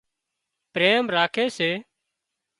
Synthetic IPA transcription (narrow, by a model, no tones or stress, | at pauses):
pɾeːmɾaːkʰeːseː